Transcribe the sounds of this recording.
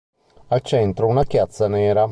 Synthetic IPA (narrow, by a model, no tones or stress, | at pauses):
alt͡ʃɛnt̪ɾounakjat̪sːanɛːɾa